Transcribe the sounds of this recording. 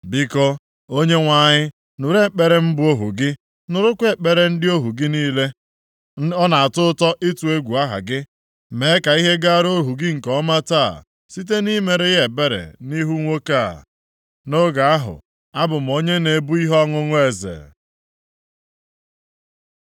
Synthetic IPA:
bi˦kɔ˦ | o˦ɲe˦ŋʷa˨ɲɪ˦ | nʊ˨ɾe˦k͡pe˨ɾe˨m̩˦bʊ˦o˦ɦṵ˨ɡɪ˦ | nʊ˨ɾʊ˦kʷe˨k͡pe˨ɾe˨n̩˦dɪ˦o˦ɦu˨ɡɪ˦niː˦le˦ | ɔ˦na˨a˨tʊ˦tɔ˦ʔɪ˦tu˨e˦ɡʷu˨a˦ɦa̰˨ɡɪ˦ | me˨˦ka˨i˦ɦe˦ɡa˦ɾo˦ɦu˨ɡɪ˦ŋ̩˨kɔ˦ma˦ta̰ː˦˨ | si˦t̬e˦ni˦me˨ɾe˦ɣe˨be˦ɾḛ˨ni˦ɦu˦ŋʷo˦ka˦˨ | no˦ɡa˨a˦ɦʊ̰˨ | a˦bʊ˨m̩˨o˦ɲe˦ne˨bu˦i˦ɦɔ˦ŋʊ˦ŋʊ˦e˨zḛ˨

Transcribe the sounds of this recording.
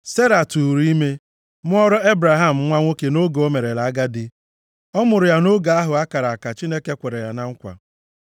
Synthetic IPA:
se˦ɾa˨tu˨ɾi˦me˦ | mʊ˦ɔ˦ɾɔ˦e˦bɾa˨ɦa˦m̩˨ŋʷa˦ŋʷo˦ke˨no˦ɡo˦me˨ɾe˨la˨a˦ɡa˦dɪ˦ | ɔ˦mʊ˨ɾʊ˨ja˦no˦ɡa˨a˦ɦʊ˨a˦ka˨ɾa˨a˨ka˨t͡ʃi˦ne˦ke˦kʷe˨ɾe˨ja˨na˦ŋ̩˦kʷa̰˨

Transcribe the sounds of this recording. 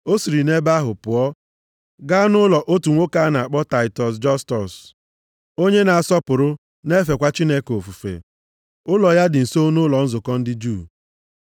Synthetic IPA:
o˦si˨ɾi˨ne˦ba˦ɦʊ˨pʊ˨ɔ˦ | ɡa˦nʊ˦lɔ˨ʔo˦tu˨ŋʷo˦ka˦na˨a˨k͡pɔ˦ta˨ɪ˨tɔ˨s̬d͡ʒɔ˦stɔ˨s | o˦ɲe˦na˨a˨sɔ˦pʊ˨ɾʊ˦ | ne˦fe˨kʷa˦t͡ʃi˦ne˦ko˨fu˨fḛ˨ | ʊ˦lɔ˨ja˦dɪ˨n̩˨so˦nʊ˦lɔ˨n̩˦zʊ˨kɔ˦n̩˦dɪ˦d͡ʒu˦˨

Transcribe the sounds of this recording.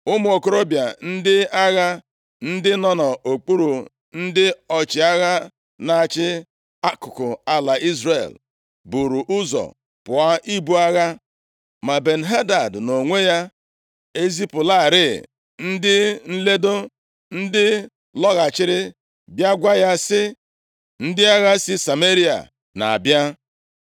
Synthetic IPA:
ʊ˦m˦˨o˨ko˨ɾo˦bja˨n̩˦dɪ˦a˦ɣa˦ | n̩˦dɪ˦nɔ˦nɔ˨o˨k͡pu˦ɾu˨ | n̩˦dɪ˦ɔ˨t͡ʃɪ˨a˦ɣa˦ | na˨t͡ʃɪ˦ | a˦kʊ˨kʊ˨a˦la˨i˦zɾḛ˨l | bu˨ɾu˨ʔʊ˦zɔ̰˨ | pʊ˨a˦ʔi˦bu˦a˦ɣa˦ | ma˨be˨n̩˨ɦe˦da˨dno˨ŋʷe˦ja˦ | e˦zi˦pʊ˨la˦˨ɾɪ˦˨ | n̩˦dɪ˦n̩˦le˦do˦ | n̩˦dɪ˦ | lɔ˦ɣa˨t͡ʃɪ˦ɾɪ˦ | bja˦ɡʷa˦ja˦sɪ˦ | n̩˦dɪ˦a˦ɣa˦sɪ˦sa˨me˦ɾi˦a̰˨ | na̰˨bja˦

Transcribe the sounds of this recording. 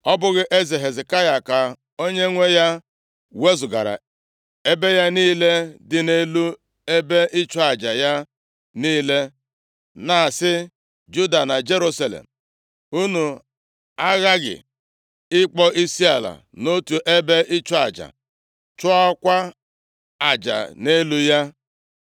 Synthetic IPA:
ɔ˦bʊ˦ɣɪ˦ʔe˦zi˨ɦe˨zɪ˨ka˦ja˨ka˨ | o˦ɲe˦ŋʷe˦ja˦ | we˦zʊ˨ɡa̰˨ɾa̰˨ | e˦be˦ja˦niː˦le˦dɪ˨ne˦lu˦ | e˦be˦ʔɪ˦t͡ʃʊ˦a˨d͡ʒa˨ja˦ | niː˦le˦ | na˨sɪ˦ | d͡ʒu˦da˨na˨d͡ʒe˦ɾu˦sa˦lḛ˨m̩˨ | u˦nu˨ | a˦ɣa˦ɡɪ̰˨ | ɪ˦k͡pɔ˦ʔi˦si˦a˨la̰˨ | no˦tu˨ʔe˦be˦ʔɪ˦t͡ʃɔ˦a˨d͡ʒa̰˨ | t͡ʃʊ˦a˦kʷa˦ | a˨d͡ʒa̰˨ne˦lu˦ja˦

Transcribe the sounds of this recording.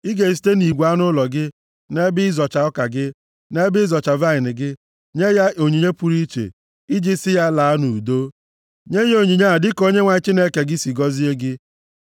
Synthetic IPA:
i˦ɡe˨s̬i̥˦te˦ni˨ɡʷa˦nʊ˦lɔ˨ɡɪ˦ | ne˦bɪ˦ɪ˦zɔ˨t͡ʃa˨ɔ˦ka˨ɡɪ˦ | ne˦bɪ˦zɔ˨t͡ʃa˨va˦ɪ˨nɪ˨ɡɪ˦ | ɲe˦ja˦ʔo˨ɲi˨ɲe˦pu˦ɾi˦t͡ʃḛ˨ | i˦d͡ʒi˦sɪ˦ja˦la˨a˦nu˨u˨do˦ | ɲe˦ɲ˦o˨ɲi˨ɲa˦a˨dɪ˦ko˦ɲe˦ŋʷa˨˦t͡ʃi˦ne˦ke˨ɡɪ˦si˨ɡɔ˦zi˦e˦ɡɪ˦

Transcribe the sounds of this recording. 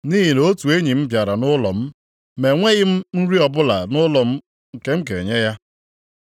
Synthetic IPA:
ni˦ɦi˨no˦tu˨e˦ɲi˨m̩˦pja˨ɾa˨nʊ˦lɔ˨m̩˦ | me˨ŋʷe˦ɣɪ˦m̩˦n̩˦ɾi˦ɔ˨bʊ˦la˨nʊ˦lɔ˨m̩˦ | ŋ̩˨ke˦m̩˦kḛ˨ɲe˦ja˦

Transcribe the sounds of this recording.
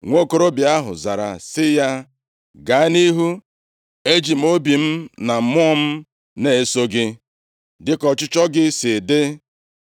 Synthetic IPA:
ŋʷo˦ko˦ɾo˦bi˨a˦ɦʊ̰˨za˨ɾa̰˨sɪ˦ja˦ | ɡa˨˦a˦ni˦ɦu˦ | e˦d͡ʒi˨m̩˦o˦bi˨m̩˦na˨m̩˨mʊ˦ɔ˦m̩˦ | ne˨e˦so˦ɡɪ˦ | dɪ˦kɔ˨t͡ʃʊ˦t͡ʃɔ˦ɡɪ˦sɪ˨dɪ˦

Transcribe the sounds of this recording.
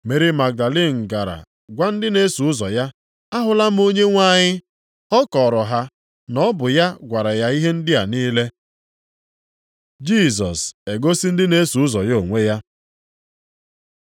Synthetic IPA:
me˨ɾi˦ma˨ɡ̚da˨li˦˨ŋ̩˨ɡa˨ɾa̰˨ | ɡʷa˦n̩˦dɪ˦ne˦su˨ʊ˦zɔ˨ja˦ | a˦ɦʊ˨la˦m̩˦o˦ɲe˦ŋʷa˦ɲɪ˦ | ɔ˦kɔ˨ɾɔ˨ɦa˦ | nɔ˦bʊ˨ja˦ɡʷa˨ɾa˨ja˦i˦ɦe˦n̩˦dɪ˦a̰˨niː˦le˦ | d͡ʒi˦˨s̬ɔ˨se˨ɡo˦si˦n̩˦dɪ˦ne˦su˨ʊ˦zɔ˨jo˦˨ŋʷe˦ja˦

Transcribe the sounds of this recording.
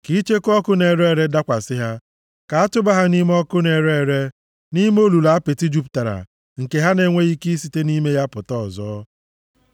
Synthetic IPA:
ki˦t͡ʃe˦kɔ˦kʊ˦ne˨ɾe˦˨ɾe˦da˦kʷa˨sɪ˦ɦa˦ | ka˨a˦tʊ˦ba˦ɦa˦ni˦m˦ɔ˦kʊ˦ne˨ɾe˦˨ɾe˦ | ni˦m˦o˦lu˨la˨a˦pe˨ti˦d͡ʒu˦p̬ta˨ɾa̰˨ | ŋ̩˨ke˨ɦa˦ne˦ŋʷe˦i˦ki˦si˨te˦ni˦me˦ja˦pʊ˨tɔ˦˨zɔː˦

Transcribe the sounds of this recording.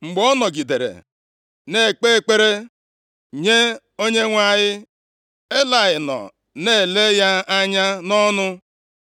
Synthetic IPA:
ŋ͡m̩˨ɡ͡bɔ˦nɔ˨ɡi˨de˨ɾḛ˨ | ne˦˨k͡pe˦˨k͡pe˦ɾe˦ | ɲe˦ | o˦ɲe˦ŋʷa˦˨ɲɪ˦ | e˦la˨ɣɪ˨nɔ̰˨ | ne˦˨le˦ja˦a˦ɲa˦nɔ˦nʊ˦

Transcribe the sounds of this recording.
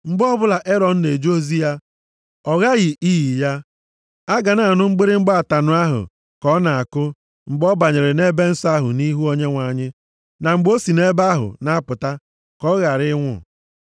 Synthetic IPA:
ŋ͡m̩˨ɡ͡bɔ˦bʊ˦la˨ʔe˦ɾɔ˨n̩˦ne˨d͡ʒo˦zi˦a˦ | ɔ˨ɣa˦ɣɪ˨iː˦ɣi˨ja˦ | a˦ɡa˨na˨a˨nʊ˦ŋ͡m̩˦ɡ͡be˦ɾɪ˦ŋ͡m̩˦ɡ͡ba˦a˨ta˨nʊ˨a˦ɦʊ̰˨ | kɔ˦na˨a˨kʊ˦ | ŋ͡m̩˨ɡ͡bɔ˦ba˨ɲɪ˨ɾɪ˨ne˦be˦n̩˦sa˦ɦʊ̰˨ni˦ɦu˦o˦ɲe˦ŋʷa˨ɲɪ˦ | na˨ŋ͡m̩˨ɡ͡bo˦si˨ne˦ba˦ɦʊ̰˨na˦pʊ˨ta˦ | kɔ˦ɣa˨ɾɪ˦ŋʷʊ̰˦˨

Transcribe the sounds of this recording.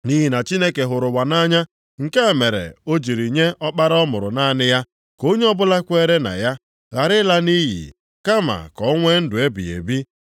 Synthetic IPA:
ni˦ɦi˨na˨t͡ʃi˦ne˦ke˨ɦʊ˨ɾʊ˨wa˨na˦ɲa˦ | ŋ̩˨ke˦˨me˨ɾḛ˨o˦d͡ʒi˨ɾi˨ɲe˦ʔɔ˦k͡pa˦ɾɔ˦mʊ˨ɾʊ̰˨na˦nɪ˦ja˦ | ko˦ɲe˦ɔ˦bʊ˦la˦kʷe˦ɾe˦na̰˨ja˦ | ɣa˨ɾɪ˦la˦ni˦ɦḭ˨ | ka˦ma̰˨kɔ˨˦ŋʷe˦n̩˦dʊ˨e˦bḭ˨ḛ˨bi˦

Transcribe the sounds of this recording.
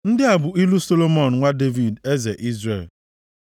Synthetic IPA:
n̩˦dɪ˦a˨bʊ˨i˦lu˦so˦lo˦mɔ˨n̩˨ŋʷa˦de˦vi˨de˦ze˨ʔi˦zɾe˦˨l

